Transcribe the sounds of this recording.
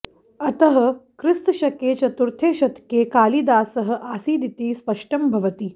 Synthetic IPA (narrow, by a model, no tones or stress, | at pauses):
ɐt̪əɦə̆kɾist̪ɕɐkeːt͡ʃɐt̪uɾt̪ʰeːɕɐt̪keːkaːlid̪aːsəɦə̆ʔaːsiːd̪it̪iːspɐʂʈɐmbʱɐʋət̪iː